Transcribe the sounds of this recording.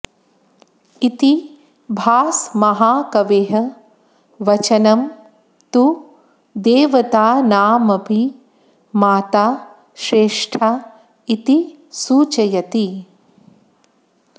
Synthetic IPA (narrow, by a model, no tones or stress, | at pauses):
it̪i | bʱaːsmɐɦaːkɐʋeːɦɐ | ʋɐt͡ʃɐnɐm | t̪u | d̪eːʋɐt̪aːnaːmɐpʰi | maːt̪aː | ʃɾeːʂʈʰaː | it̪i | suːt͡ʃɐjɐt̪i